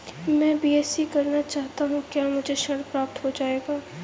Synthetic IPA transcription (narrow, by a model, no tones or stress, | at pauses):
mɛ̃ːbiːɛːsikɐɾnat͡ʃaːɦt̪aɦũkjaːmʊd͡ʒʱeʃɐɽpɾaːp̚t̪ɦod͡ʒaːeːɡaː